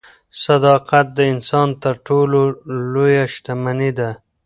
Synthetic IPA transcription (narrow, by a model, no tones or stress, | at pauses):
sad̪ɑqat̪̚d̪əɪnsɑnt̪əɾʈololojaʃt̪amanid̪a